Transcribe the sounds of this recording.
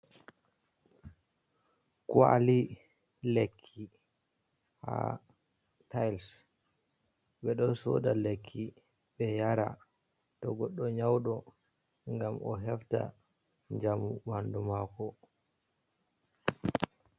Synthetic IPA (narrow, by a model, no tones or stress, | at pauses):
kua̰li | lekʰːi | ha̰ | tajls | ɓɛɗɔnsɔ̰dalekʰːi | ɓɛjaɾa̰ | tɔɡɔɗːɔɲawɗɔ | ŋɡamɔɦɛfta̰ | ɲd͡ʒamuwandumaːkɔ